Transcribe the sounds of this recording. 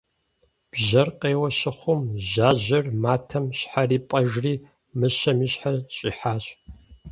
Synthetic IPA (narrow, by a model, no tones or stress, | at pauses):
b̥ʑɐrqeːwɐɕɪχʷʊmʑaːʑɐrmaːtʰɐmɕħariːpʼɐʒriː | mɨɕɐmiːɕħaɕʼiːħaːɕʼ